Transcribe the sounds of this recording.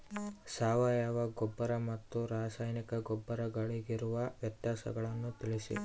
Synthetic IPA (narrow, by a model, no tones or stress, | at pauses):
saːʋajaːʋɐɡɔbːɐɾɐmɐt̪ːuɾaːsaːjnikɐɡɔbːɐɾɐɡɐɭeɡiɾuʋɐʋjɐt̪jaːsɐ̰ɡɐɭɐnːut̪ilisḭ